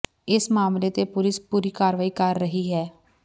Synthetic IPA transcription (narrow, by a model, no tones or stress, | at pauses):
ɪsmaːmleːt̪eːpʊlɪspuːɾiːkaːɾʋaːiːkəɾːəɦiːɦɛː